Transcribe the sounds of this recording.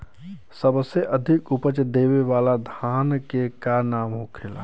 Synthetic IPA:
səbseʔəd̪ʱikupət͡ʃd̪eʋeʋaːlad̪ʱankekaɾnaːmɦokʰeːla̰

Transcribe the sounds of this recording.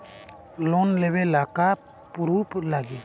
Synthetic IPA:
lɔnlɛbɛlaka | puɾuplaɡit̪

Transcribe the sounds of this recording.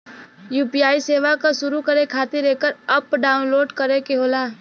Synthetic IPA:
juːpijaːiseːʋakaʃʊɾukɐɾekʰaːt̪ɪɾeːkəɾɐpɖaːʊ̃nloːɖkɐɾekeɦoːlaː

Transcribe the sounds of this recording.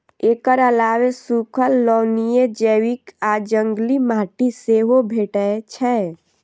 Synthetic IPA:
eːkəɾəlaːwesukʰəlːɔnijed͡ʒəwikad͡ʒəŋɡlimaːʈiseɦobʱeʈət͡ʃʰɛ

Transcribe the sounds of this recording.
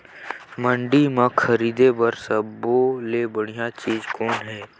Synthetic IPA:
mə̃ɳɖimãːkʰɐɾiːd̪ebɐɾsəboleːbəɽ̤̃ijat͡ʃiːzkɔːnɦɛː

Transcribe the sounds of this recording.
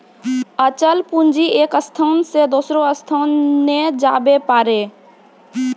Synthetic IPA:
ət͡ʃəlpũɲd͡ʒieːkəst̪ʰənsed̪oːsɾõəst̪ʰənːed͡ʒaːbepaːɾeː

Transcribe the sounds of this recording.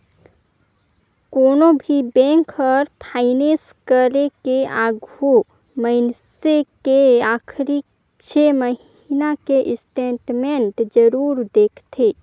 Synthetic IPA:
koːnobʱibɛ̃ŋkɔɾpʰaːɪnes | kəɾekeaːɡo | məɪnsekeaːkʰɾi | t͡ʃʰeməɦ | inakeʔɪsʈẽʈmẽɳʈd͡ʒəɾuːɾd̪eːkʰt̪ʰe

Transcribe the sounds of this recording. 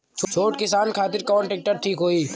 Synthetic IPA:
t͡ʃʰt͡ʃʰoːʈkɪsaːnkʰaːt̪̬ɪɾkɔːnʈɛk̚ʈəɾʈʰiːkɦoːiː

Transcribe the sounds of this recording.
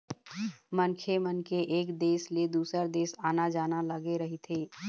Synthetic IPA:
mənkʰemənkeʔeːkd̪eːsled̪uːsəɾd̪eːsaːnad͡ʒaːnaləɡeɾɐɦet̪ʰeː

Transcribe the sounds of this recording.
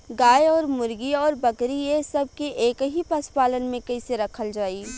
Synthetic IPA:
ɡaːjɔːɾmʊɾɡiɔːɾbɐkɾiesɐb̚kiʔeːkɦipɐspaːlənmẽkɐiseɾɐkʰəld͡ʒaːiː

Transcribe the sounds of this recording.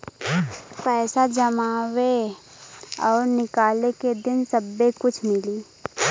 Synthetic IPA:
pɛːsad͡ʒəmaːwe | ɔːɾnɪkaːleked̪ɪnsəbːekʊt͡ʃʰmɪliː

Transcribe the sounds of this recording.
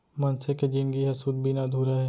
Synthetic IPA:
mɐnseked͡ʒinɡiɦɛsud̪̚bʱinad̪ʱuɾaɦɛː

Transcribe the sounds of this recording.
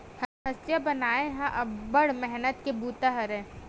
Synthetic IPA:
hɦɐsjəbɐnaːeɦãʔɐbəɽmɛɦnət̪kebuːt̪aɦɐɾẽ

